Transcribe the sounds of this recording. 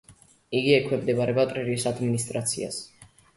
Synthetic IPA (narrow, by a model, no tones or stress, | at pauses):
iɡiɛkʰwɛmd̪ɛbaɾɛbat̪ʼɾɛɾiisad̪minist̪ʼɾat̪sʰḭa̰s